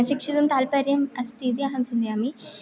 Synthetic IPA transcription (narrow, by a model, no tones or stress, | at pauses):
ʃikʂit̪ɐmt̪aːlpɐɾjɐmɐst̪ʰid̪iɐɦɐmsind̪iami